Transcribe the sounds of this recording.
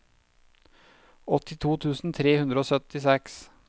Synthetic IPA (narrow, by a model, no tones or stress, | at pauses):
ɔt̪ɪt̪ʰuːt̪ʰʉːsn̩t̪ʰɾeːhʉnd̪ɾəoːsœt̪ɪsɛks